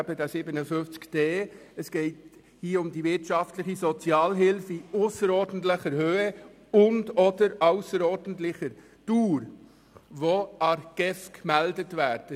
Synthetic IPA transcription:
bədasɪbənəfʏnft͡skd̥eːɛsɡ̥ɛɪt | hiːʊmdivɪɾtʃɑftləχizɔt͡sjɑːlɦɪlfiʊsəɾɔːɾd̥ən̩tlɪχəɾhøːə | ʊndɔdəɾaʊsəɾɔɾdən̩tlɪχəɾ | tuːɾ | ʋoɑɾɡ̥ɛfkmɛldətvæːɾd̥ə

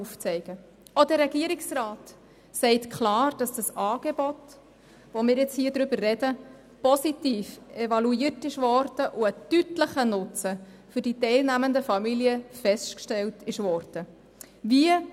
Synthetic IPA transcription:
uft͡sɛɪɡ̥ə | ɔd̥əːɛɡiəɾɪksraːt | sɛɪtkʰχlɑːɾd̥ɑsd̥əsɑːɡ̥ebɔt | ʋomɪːɾjɪt͡shiːədɾʏbərːɛd̥ə | pɔsitiːfɛvɑluiərtɪʃʋɔɾd̥əʔʊətytləχənʊt͡sə | fʏɾd̥itɛɪlnæməndəfɑmiliəfɛstkʃtɛltʰɪʃʋɔɾd̥ə | viə

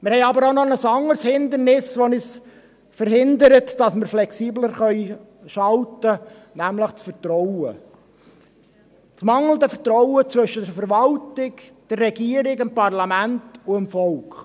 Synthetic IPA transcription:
mɪɾhɛɪɑbəɾonɔnəsɑŋəɾshɪnd̪əɾnɪsʋɔnɪs | fəɾhɪnd̪əɾətd̥ɑsməɾflɛksiːbləɾχœʏ | ʃɑltə | næmləχt͡sfəɾtɾɔwə | t͡smɑŋl̩d̪əfətɾɔʊət͡sʋɵʃədəfəɾʋɑltɪkd̥ərːɛɡiəɾɪɡɪmpɑrlɑmæntʊɪmfɔlkχ

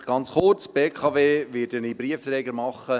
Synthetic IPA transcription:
ɡ̥ɑnt͡sχʊrt͡sb̥eːkʰɑveːʋɪdənibɾiəft̪ɾɛːɡəɾmɑχə

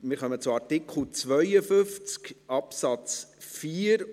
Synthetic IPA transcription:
mɪːɾχœmət͡sʊɑɾtɪkχl̩t͡sʋœjəfʏft͡skɑpsɑt͡sfiːəɾ

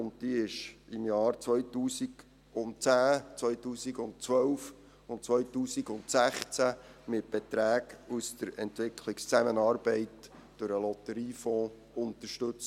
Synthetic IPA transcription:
ʊnt̚d̥iːɪʃɪmjɑːɾt͡sʋœʏtuːsiɡ | ʊntt͡sæːt͡sʋœʏtuːsiɡʊnt̚t͡sʋœwf | ʊnt̚t͡sʋœʏtuːsiɡʊntsæχt͡sæmɪt̚b̥ɛtɾæːɡusdəɾɛntʋɪkʰlɪkst͡sæmənɑːɾbɛɪtd̥øɾəlɔt̪əɾiːfɔ̃ː | ʊnt̪əʃtɵt͡s

